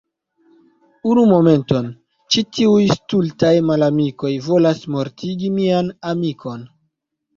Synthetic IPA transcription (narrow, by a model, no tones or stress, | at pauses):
unumo̞me̞nto̞n | t͡ʃitiujstultajmalamiko̞jvo̞lasmo̞ɾtiɡimianamikʰo̞n